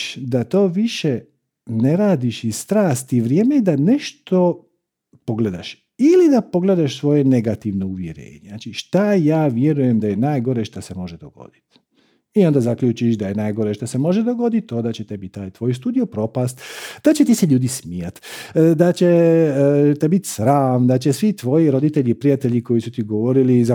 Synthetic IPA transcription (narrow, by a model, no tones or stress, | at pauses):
ʃd̪at̪o̞ːʋiʃe | ne̞ɾaːd̪iʃist̪ɾaːst̪iʋɾjeːmejed̪ane̞ʃt̪o̞ | po̞ɡled̪a̰ʃ | ilid̪apo̞ɡle̞d̪aʃsʋo̞jene̞ɡat̪iʋnouʋjeɾḛːɲenat͡ʃiʃt̪ajaːʋje̞ɾujemd̪aje̞naːjɡo̞ɾeʃt̪asemo̞ʒed̪o̰ɡo̞̰d̪̥i̥t̪ | iond̪azakʎʲuːt͡ʃiʃd̪aje̞naːjɡo̞ɾeʃt̪asemo̞ʒed̪oɡo̞d̪it̪ond̪at͡ɕet̪ebit̪ːaːjt̪ʋo̞jst̪uːd̪ijo̞pɾo̞past̪d̪̥at͡ɕet̪iseʎuːd̪ismijat̪d̪at͡ɕe | t̪ebit̪sɾaːmd̪at͡ɕesʋit̪ʋo̞jiɾo̞d̪it̪eʎipɾijat̪eʎiko̞jisut̪iɡoʋoɾiliza